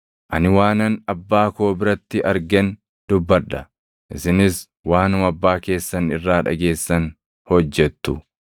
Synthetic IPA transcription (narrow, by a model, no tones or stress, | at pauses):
ʔɐnɪwaːnɐnɐbːaːkoːbɪɾɐt̪ːɪʔɐɾɡɛn | d̪ʊbːɐᶑɐ | ʔɪsɪnɪs | waːnʊmɐbːaːke̞ːsːɐnɪrːaːᶑɐ̰ɡe̞ːsːɐn | hɔd͡ʒːɛt̪ːʊ